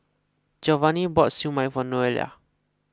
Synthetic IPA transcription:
d͡ʒɔvanibɔtsjumajfɔnɔɛlia̰

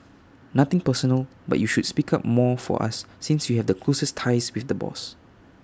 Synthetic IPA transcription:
nat̪ɪ̃ŋpəsɔnəl | ba̰t̚juʃudspikʰap̚mɔfɔ̰ʔa̰sːĩnsjuhɛvdəkʰlosəstʰaɪswiθdəbɔ̰s

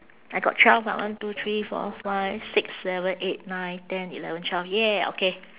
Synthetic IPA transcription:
ʔajɡɔ̰t̚t͡ʃʰwɛlvwã̰ʔwãntut̪ʰɹifɔ̰faɪv̥sɪksːɛvə̃net̚nãɪ̃ntɛ̃nilɛ̰və̃ntʰwɛlvjɛo̰ke

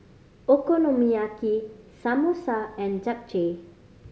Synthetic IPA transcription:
okonõmiakisamosaɛ̃nd͡ʒak̚d͡ʒe

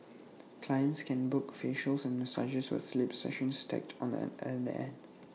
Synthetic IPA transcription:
kʰlajə̃ntskʰɛ̃nbʊkɔ̥fiʃəlsɛ̃nmɛsa̰d͡ʒəswɪ̰slipsɛ̰ʃə̃nstʰɛ̰k̚tʰɔ̃nɛdə̰ɛ̰̃n

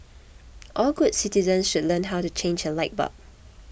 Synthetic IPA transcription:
ʔɔlɡudsitizə̃nsʃudlə̃nɦawtut͡ʃʰẽnd͡ʒəlaɪt̚ba̰p̚

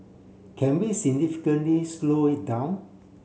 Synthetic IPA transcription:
kʰɛ̃nwisiɡ̚nifi̥kə̃nlisloit̚dãʊ̃n

